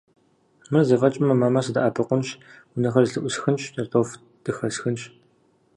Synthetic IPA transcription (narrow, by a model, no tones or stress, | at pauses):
mɨrzɐvɐt͡ʃʼɪmɐmaːmasɨdaʔaːpʰɨqʷʊnɕ | ʊnɐxɐrɮɨʔʷʊsxɨnɕdɐrtʼof | d̥ɨxɐsxɨnʃ